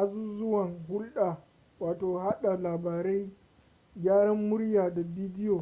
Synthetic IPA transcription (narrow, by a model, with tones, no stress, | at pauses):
ʔa˦zuː˦zʊ˦wɐ˨ŋɦʊ˦lɗaː˨ | waː˨toː˨ha˦ɗa˨laː˨baː˨ɾɛ˦j | ɡʲaː˦ɽɐ˦mːʊ˦ɽjaː˨da˨biː˦dɪ˦joː˨